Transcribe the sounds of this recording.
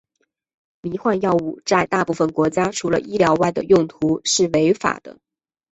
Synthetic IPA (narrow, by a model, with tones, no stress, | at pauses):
mi˧˥xwa˥˧njɑ˥˧ʊu˥˩t͡sa˥˧ɪt̪a˥˧pu˥˩fə˨˩nkwɔ˧˥t͡ɕja˥ʈ͡ʂʰu˧˥lə̰˧ʔi˥ljɑ˧˥ʊwa˥˩ɪd̪ə̰˩jʊ˥˩ŋt̪ʰu˧˥ʂɻ̩˥˩we˧˥ɪfa̰˨˩d̪ə̰˦